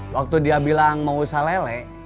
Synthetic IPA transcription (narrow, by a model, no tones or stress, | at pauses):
wak̚t̪udiabilaŋmausalɛlɛ